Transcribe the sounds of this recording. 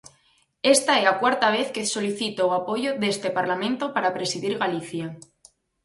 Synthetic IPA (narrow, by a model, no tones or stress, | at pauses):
e̞st̪aeakwaɾt̪aβ̞e̞θkeso̞liθit̪ooapo̞ʝoðe̞st̪e̞paɾlamẽnt̪opaɾapɾe̞siðiɾɣaliθja